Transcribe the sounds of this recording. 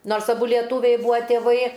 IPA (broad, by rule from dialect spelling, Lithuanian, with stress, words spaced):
ˈnoːrs ɐˈbʊ ˈlʲiɛtuːʋʲɛɪ ˈbuːʋɐ tʲeːˈʋɐɪ